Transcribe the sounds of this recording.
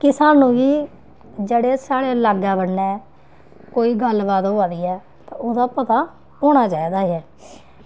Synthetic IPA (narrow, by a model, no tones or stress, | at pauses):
kɪsaːnũːʋiː | d͡ʒəɽeːsaːɽeːlaːɡaːbəɽnɛː | koːiːɡəlbaːt̪oaːd̪iːɛː | t̪ãːoːd̪aːpət̪aː | oːɽ̃aːt͡ʃaːiːd̪aːɛː